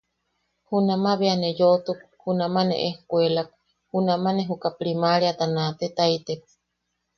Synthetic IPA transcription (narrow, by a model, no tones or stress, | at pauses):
hunamaβeanejot̪uk̚ | hunamanḛʔehkʷelak̚ | hunamaneɦukapɾimaɾiat̪anat̪et̪ait̪ep̚